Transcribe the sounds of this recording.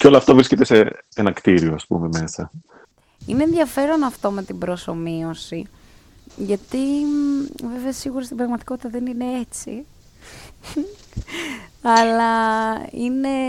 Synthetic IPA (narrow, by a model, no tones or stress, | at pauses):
ceolɐft̪ɐvɾisce̞t̪e̞seenɐkt̪iɾioɐspṵme̞me̞sɐ | ine̞ːnðiʝɐfe̞ɾo̞nɐft̪o̞me̞t̪ibɾo̞so̞mio̞si | ʝɐt̪i | ve̞veɐsiɣuɾɐst̪ibɾɐɣmɐt̪i̥ko̞t̪i̥t̪ɐðenine̞e̞t͡sḭ | ɐlɐ | ine̞